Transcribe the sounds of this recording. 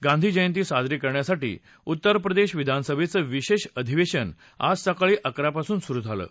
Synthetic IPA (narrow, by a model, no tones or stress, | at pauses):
ɡãnd̪ʱiːd͡ʑəjənt̪̬iːsad̪ɾikəɾɳjasaʈḭː | ut̪ːəɾpɾəd̪eɕʋid̪ʱansəbʱet͡səːʋiɕeɕəd̪ʱiʋeɕən | a̰d͡zsakaɭiːʔəkɾapasuːnsuɾud͡z̪ʱalə̰ː